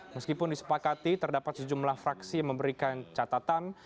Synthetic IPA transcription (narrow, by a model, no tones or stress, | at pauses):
məskipʊndisə̥pakat̪it̪ərdapat̪̚səd͡ʒumlahfɾaksijaŋməmbəɾikant͡ʃat̪at̪an